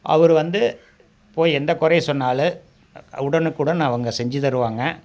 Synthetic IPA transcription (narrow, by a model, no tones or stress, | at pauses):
ʔɐ̰ʋɐɾɯʋɐnd̪ɯ | poːjɛnd̪ɐkʊɾɐjsɔnːaːlɯ | ʊɽɐnɯkːuːɽɐnãːɐʋɐŋɡɐsɛɲd͡ʒɯt̪ɐɾɯʋaːŋɡɐ